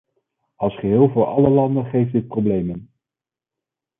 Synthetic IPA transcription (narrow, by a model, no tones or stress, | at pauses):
ɑlˠsχəɦɪːlˠvʊːɹɑ̰ləlɑndəχejfdɪt̚prowblejmən